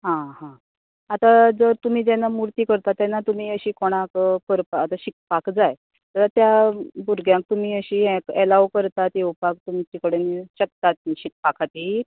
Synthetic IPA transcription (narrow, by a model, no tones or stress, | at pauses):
ɦãɦã | at̪ad͡zəɾt̪um̤iːd͡ʑjɛnːamuɾt̪iːkəɾt̪at̪ːjanːat̪um̤iːəɕiːkoɽ̃ãkkəɾpaːt̪aɕik̚pakd͡zaj | t̪əɾat̪jabuɾɡʱjãŋk̚t̪um̤iːəɕiːɛ̃kɛlaʋkəɾt̪at̪eupak̚t̪um̤it͡ɕikəɽeniɕək̚t̪at̪̚niɕik̚pakʰat̪i